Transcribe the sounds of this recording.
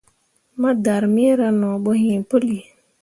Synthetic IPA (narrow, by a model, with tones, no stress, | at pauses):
ma˦da˨ɾmi˦ɾa˦nɔ˨ɓɔ˦hĩ˨po˦li˨